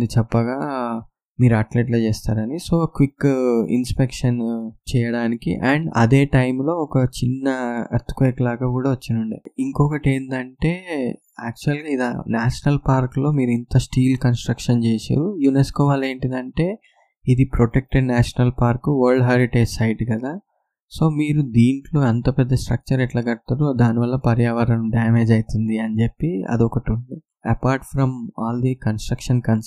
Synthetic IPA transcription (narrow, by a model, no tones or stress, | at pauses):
d̪it͡ʃɛpːɐɡaː | miːɾuɐːʈleːʈ̬loːt͡ʃeːst̪aːɾɐnisoːkʋikːḭnspekʂɐnt͡ʃɛːjɐɽaːnikḭʔɐɳɖɐ̰d̪e̞ːʈɐjmlo̞ːɔkɐt͡ʃinːɐɐ̰ɾt̪u̥kʋɐjklaːɡaːkuːɽaːʋɐt͡ʃːinuɳɖḭiŋkɔːkɐʈe̞ːnd̪ɐɳʈe̞ː | aːk̚t͡ʃuɐlɡaːid̪a̰ːnaːʂɐnɐlpaːɾklo̞ːmiːɾint̪ɐsʈiːlkɐnsʈɾɐkʂɐnt͡ʃeːsa̰ːɾujuneskoːʋaːle̞ːɳʈind̪ɐɳʈe̞ː | id̪ipɾoʈek̚ʈeɖnaːʂɐnɐlpaːɾkuʋɐɾɭɖɦɐɾiʈeːd͡ʒsɐjʈɡɐd̪aː | so̞ːmiːɾud̪iːɳʈlo̞ːɐnt̪ɐpɐd̪ːɐsʈɾɐ̰k̚t͡ʃɐɾɛʈlaːɡɐɽt̪aːɾud̪aːniʋɐlːɐpɐɾjaːʋɐɾɐnɐmɖaːme̞ːd͡ʒɐjt̪und̪iɐnid͡ʒepːiɐ̰d̪iɔkɐʈuɳɖ̪i | ɐpaːɾʈfɾɐmaːld̪ikɐnsʈɾɐkʂɐnkɐn